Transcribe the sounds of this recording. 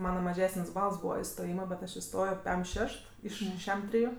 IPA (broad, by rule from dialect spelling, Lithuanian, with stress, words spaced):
ˈmɑːnɐ mɐˈʒʲæːsənʲsʲ ˈbɐlˠs ˈbuːʋɐ ɪstoːˈjiːmɐ bʲɛt ˈɐʃ ɪˈstoːjoː ˈpʲɛm ˈʃʲɛʃt ˈɪʃ ˈʃʲɛm ˈtʲrʲɪjʊ